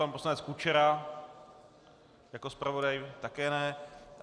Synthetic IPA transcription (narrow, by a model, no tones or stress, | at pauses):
ampo̞slanɛt͡skut͡ʃɛɾa | jakospɾʔavo̞dajt̪akɛːnɛ